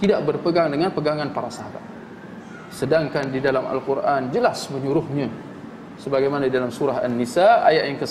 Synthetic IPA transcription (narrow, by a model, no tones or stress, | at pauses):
t̪idaʔbərpəɡaŋdəŋanpəɡaŋanpaɾasaɦaba̰t̪̚ | sədaŋkandidalama̰lkurʔand͡ʒəlasməɲuɾʊhɲã | səbaɡajmanadidalamsuɾaɦa̰nːisaa̰jaʔjaŋkə